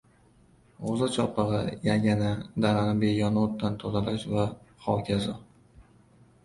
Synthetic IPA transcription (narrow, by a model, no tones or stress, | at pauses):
ozat͡ʃʰɒpʰɨʁɨjaɡʲanad̪aɾanɪbejɒnot̪ʰːant̪ʰozalaʃvaχɒwkʲʰazɒ